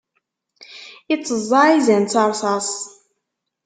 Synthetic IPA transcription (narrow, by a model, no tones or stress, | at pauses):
it͡sːəzˤːɑizænt͡sːɑɾˤsˤɑsˤ